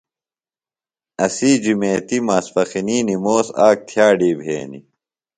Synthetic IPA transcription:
ɐsid͡ʑumeːt̪imaːsfɐxiniːnimoːsaːk̚t̪ʰjaːɖiːbʱḛːnḭ

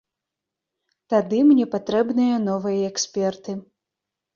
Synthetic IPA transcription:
t̪ad̪ɨmnʲɛpat̪ɾɛbnɨjɐn̪ɔvɨjɐɛksʲpʲɛrt̪ɨ

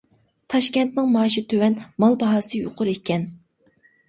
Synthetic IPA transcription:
t̪ʰɑʃkʲɛnt̪nɪŋmɑːʃit̪ʰøwɛnmɑlˠbɑɦɑːsɨjo̰qʰʊɾekʲʰɛn

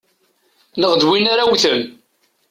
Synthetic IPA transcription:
nəʁd̪winaɾawθəm

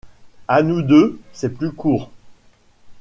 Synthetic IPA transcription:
anud̪øsɛplykuːʁ

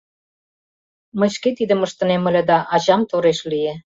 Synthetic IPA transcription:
mə̆ɕket̪id̪ə̆məʃt̪ə̆nemə̆lʲĕd̪ɑʔɑʑɑmt̪oɾeʃlije

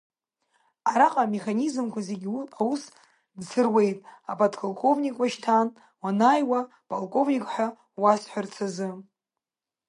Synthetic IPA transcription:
aɾaqʼame̞χanizɨmkʷʰaze̞ɡʲawus | dsʰɨrwe̞jtʼapʰʼodkʰalkʰʼo̞vnikʼwaʃtʰan | wanajwa | pʼolkʼo̞vnʲikʼħʷᶣa | wasħʷᶣart͡sʰazɨ

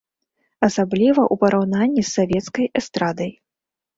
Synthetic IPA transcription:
ɐsablʲivɐʔupɐɾʔawnanʲːisːavʲɛt̪skɐjɛst̪ɾad̪ɐj

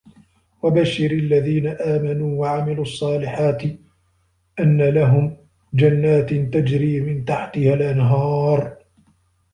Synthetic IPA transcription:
wabaʃɪɾalːaðiːnaʔaːmanuːwaʕamɪluːʔɑsˤːɑːlɪħaːt̪ɪ | ʔanːalaɦʊm | d͡ʒanːaːt̪t̪ad͡ʒɾiːmɪnt̪aħt̪ɪhalʔanɦɑːɾˤ

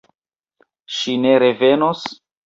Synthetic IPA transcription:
ʃineɾevenos

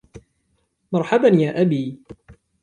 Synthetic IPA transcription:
mɑɾˤħabanjaːʔabiː

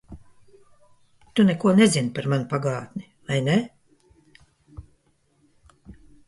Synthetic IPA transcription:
t̪unɛkuɔnɛzinpaɾmanupaɡaːt̪nʲi | vajne

